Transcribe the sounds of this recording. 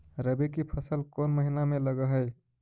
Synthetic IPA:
ɾəbekipʰəsəlkonməɦinameləɡəɦəj

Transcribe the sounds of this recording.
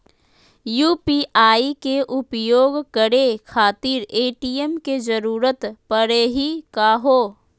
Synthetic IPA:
juːpiʔaːikeʔʊpjoːɡkəɾekʰaːt̪iːɾeːʈiːjemked͡ʒəɾuːɾət̪pəɽeːɦikaɦoː

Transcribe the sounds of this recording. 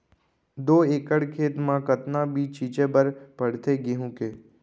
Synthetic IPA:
d̪oːeːkəɽkʰeːt̪mãkət̪nãbʱit͡ʃiːt͡ʃẽbəɾpəɽt̪ʰeɡeɦũːkeː

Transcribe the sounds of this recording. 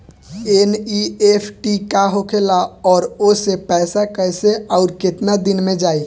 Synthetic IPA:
eniepʰʈikaɦokʰelaɔːɾosepɛːsakəɦseəʊɾkɪt̪nad̪ɪnmẽd͡ʒaːi

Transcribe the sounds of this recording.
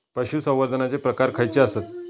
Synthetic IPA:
pəɕusə̃w̃ʋad̪ʱənat͡sepɾəkaɾkʰajt͡ɕeasət̪̚

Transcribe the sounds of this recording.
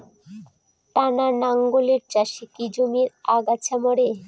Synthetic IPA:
t̪ananaŋɡoleɾt͡ɕaʃikid͡ʑomiɾaɡat͡ɕʰamɔɾe

